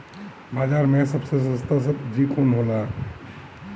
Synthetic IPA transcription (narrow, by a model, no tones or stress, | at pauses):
baːd͡ʒaɾmẽsəbses̬ə̃st̪as̬əb̚d̪ɾikʰonɦola